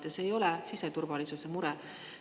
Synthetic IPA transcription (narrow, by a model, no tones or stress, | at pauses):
t̪ese̞jo̞lɛsiset̪urvɑlisuse̞muɾɛ